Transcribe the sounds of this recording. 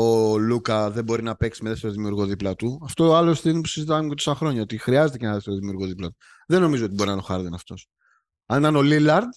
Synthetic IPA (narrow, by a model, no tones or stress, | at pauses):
olukɐðe̞bo̞ɾinɐpe̞ksimeðeft̪e̞ɾoðimiuɾɣo̞ðiplɐt̪uɐft̪oɐlosθinip̬u̥sizit̪ɐmecet̪osɐxɾo̞ɲɐo̞t̪ixɾiɐzet̪ecenɐðeft̪e̞ɾoðimiuɾɣo̞ðiplɐt̪u̥ | ðenːo̞mizoo̞t̪ibo̞ɾinɐno̞xɐɾðinɐft̪o̞s | ɐnt̪ɐno̞lilɐɾd̪